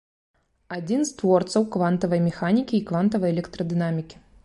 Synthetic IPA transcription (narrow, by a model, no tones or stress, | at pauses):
ad͡zʲinst̪vɔrt̪sɐwkvant̪ɐvɐjmʲɛxanʲikʲiːkvant̪ɐvɐjɛlʲɛkt̪ɾɐd̪ɨnamʲikʲi̥